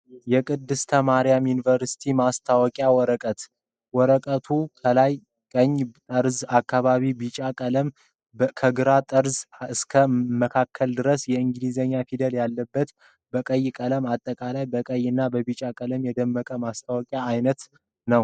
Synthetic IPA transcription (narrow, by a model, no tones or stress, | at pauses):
jɛkʼɨd̪ːɨst̪ʰəmaɾijamjunivəɾsi̥t̪ʰimast̪ʰawɔkʼjawɔɾəkʼət̪ | wɔɾəkʼət̪ʰukʰəlaj | kʼəɲːt̪ʼəɾzakʰːaβaβibit͡ʃʼakʼələm | kʰəɡɨɾat̪ʼəɾzɨskʰəməkʰakʰːəld̪ɨɾəsjɛɨŋɡɨlizəɲːafid̪əljalːəbːət̪ | bəkʼəjːkʼələmat̪ʼːəkʼalajbəkʼəjːɨnːabəβit͡ʃʼakʼələmjɛd̪əmːəkʼəmast̪ʰawɔkʼjaːjnət̪ | nəw